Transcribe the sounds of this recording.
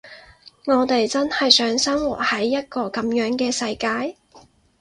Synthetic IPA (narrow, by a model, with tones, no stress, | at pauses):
ŋɔː˨˧t̪e˨jt͡sɐ˥nhɐ˨jsœː˨˥ŋsɐ˥mwu˨˩t̚hɐ˨˥jːɐ˥t̚kɔː˧kɐ˨˥mjœː˨˥ŋkɛː˧sɐ˧jkaː˧j